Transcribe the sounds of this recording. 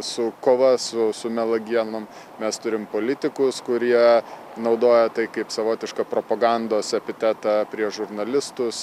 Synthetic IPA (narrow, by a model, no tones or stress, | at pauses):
sʊkoːʋɐsʊsʊmʲɛlˠɐɡʲiɛnom | mʲɛst̪ʊɾʲɪmpoːlʲɪt̪ʲɪkʊskʊɾʲiɛ | nɒʊd̪oːjɛt̪ɐɪkɐɪpsɐʋoːt̪ʲɪʃkɑpɾoːpɐɡɐnd̪oːsɛpʲɪt̪ʲæt̪ɑpʲɾʲiɛʒʊɾnɐlʲɪst̪ʊs